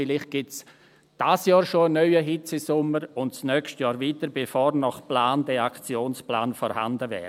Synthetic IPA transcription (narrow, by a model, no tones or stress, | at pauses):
fɪlɪχt̚ɡ̥ɪts | d̥asjɑːɾʃoənœʏəɦɪt͡sɪsʊməɾʊndsnœkstjɑːɾviːtəɾbefoːɾnɔχplaːndɛakt͡sjoːnsplaːnfɔɾha̰ndəvɛ̰ː